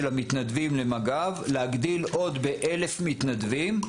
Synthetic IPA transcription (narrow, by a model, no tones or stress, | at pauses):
lamit̪nad̪vimlemaɡavleaɡd̪ilo̞d̪beʔele̞fmit̪nad̪vim